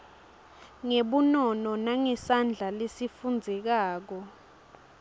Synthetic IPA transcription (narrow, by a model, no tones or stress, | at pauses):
ŋeɓunɔnɔnaŋɛsand͡ɮʱalesifund͡zʱɛk̬aːk̬ɔ